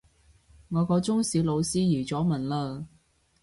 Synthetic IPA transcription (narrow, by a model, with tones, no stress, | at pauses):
ŋɔː˨˧kɔː˧t͡sʊ˥ŋsiː˨˧wlo˨˧wsiː˥jiː˨˩t͡sɔː˨˥mɐ˨˩nlaː˧